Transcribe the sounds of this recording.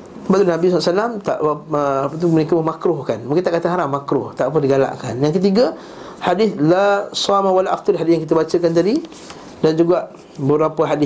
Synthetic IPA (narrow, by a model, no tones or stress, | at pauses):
səbaʔt̪ulnabisɔlasalamt̪a̰ʔəpət̪umənikəməmakɾʊhkanmuŋkint̪aʔkat̪aɦaɾamːakɾʊht̪aʔp̬əndiɡala̰ʔka̰njaŋkət̪̬iɡə | hadɪθlasamawalaʔaft̪uɾɦadɪsjaŋkit̪əbat͡ʃəkant̪̬adi | dand͡ʒuɡaʔ | bəbɾapəɦadɪ